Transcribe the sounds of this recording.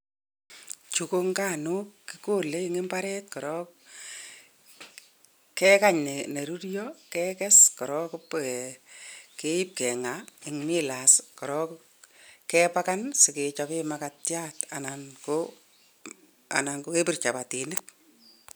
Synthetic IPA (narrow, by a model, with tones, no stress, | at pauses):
t͡ʃu˨ko˦ŋka˦˨nukːiko˦le˦iŋe˦mbaɾɛt̚kɔ˨ɾɔ | kɛ˦kaɲne˨ne˨ɾu˦ɾjɔkɛkɛ˦skɔ˨ɾɔkp | kei˦p̚kɛ˨ŋaɪŋmi˦laskɔ˨ɾɔk | kɛpaka˦nsɪ˨ket͡ʃapɪmakatjatananko | a̰˨na˨ŋɡo˦ke˦pi˦rt͡ʃa˨pa˨ti˨nek̚